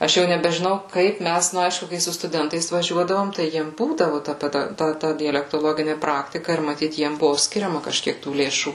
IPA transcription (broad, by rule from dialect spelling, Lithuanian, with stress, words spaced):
ˈɐʃ jɛʊ nʲɛbʲɛʒʲɪˈnɐʊ ˈkɐɪp ˈmʲæs ˈnʊ ˈɐɪʃkʊ kɐɪ sʊ stʊˈdʲɛntɐɪs ʋɐˈʒʲuɔdɐʋoːm tɐɪ ˈjiɛm ˈbuːdɐʋʊ tɐ ˈpʲæːdɐ ˈtɐ ˈtɐ dʲɛlʲɛktoːˈlˠoːɡʲɪnʲɪ ˈprɑːktʲɪkɐ ɪr mɐˈtʲiːt ˈjiɛm ˈbʊʋʊ ˈsʲkʲɪrʲɛmɐ kɐʃʲˈkʲiɛk tuː lʲeːˈʃuː